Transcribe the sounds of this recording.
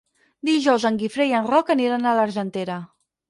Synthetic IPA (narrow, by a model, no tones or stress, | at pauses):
d̪iʒɔwzəŋɡifɾeiənrɔkəniɾanələɾʒənt̪eɾə